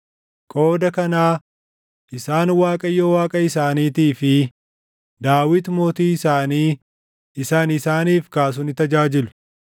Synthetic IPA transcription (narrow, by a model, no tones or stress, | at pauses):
kʼo̞ːd̪ɐkɐnaː | ʔɪsaːnwaːkʼɐjːoːwaːkʼɐɪsaːniːt̪iːfɪ | d̪aːwɪt̪moːt̪iːɪsaːniː | ɪsaːnɪsaːniːfkaːs̬ʊnɪt̪ɐd͡ʒaːd͡ʒɪlʊ̥